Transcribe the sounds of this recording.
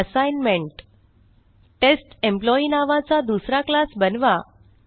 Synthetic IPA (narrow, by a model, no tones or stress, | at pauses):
əsajnmeɳʈ | ʈesʈemplɔinaʋãt͡sad̪usɾaklasbənʋa